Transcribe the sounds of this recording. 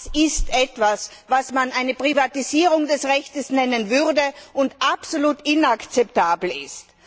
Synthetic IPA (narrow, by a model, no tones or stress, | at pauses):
sɪstʔɛtv̥as | vasmanʔaɪnəpʁ̥ivatiziːʁʊŋdɛsʁɛçtəsnɛnənvʏʁdəʔʊntʔapsoluːtɪnakt͡sɛp̚taːbl̩ɪ̰st